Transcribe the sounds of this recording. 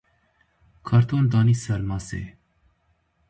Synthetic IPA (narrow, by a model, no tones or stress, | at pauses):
kʰɑɾt̪ʰond̪ɑnisəɾmɑsḛ